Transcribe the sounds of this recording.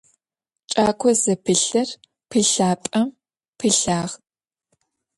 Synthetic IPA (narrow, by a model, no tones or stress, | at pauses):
t͡ʃʼaːkʷʰɔzɐpʰɨɬɐr | pʰɨɬaːpʼɐm | pʰɨɬaːʁ